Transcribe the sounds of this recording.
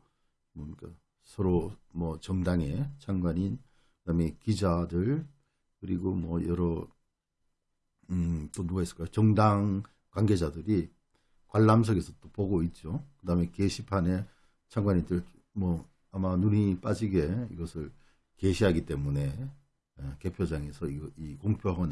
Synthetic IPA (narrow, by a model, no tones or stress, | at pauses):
mʌik͈a | sʰʌɾomwʌt͡ɕʌŋdaŋe̞t͡ɕʰaŋɡwaɲin | kɯdame̞kid͡ʑadɯɭ | kɯɾiɡomwʌjʌɾʌ | t͈onuɡaɦes͈ɯ̥ɭk͈ajot͡ɕʌŋdaŋ | kwaŋɡe̞d͡ʑadɯɾi | kwaɭːams̬ʰʌɡe̞sʰʌt͈opoɡoit̚t͡ɕ͈okɯdame̞keɕʰipʰane̞ | t͡ɕʰaŋɡwaɲindɯɭ | mwʌ | amanunip͈ad͡ʑiɡe̞iɡʌsʰɯɭ | keɕʰiɦaɡit͈e̞mune̞ | ke̞pʰjod͡ʑaŋe̞sʰʌiikoŋpʰjoɦʌn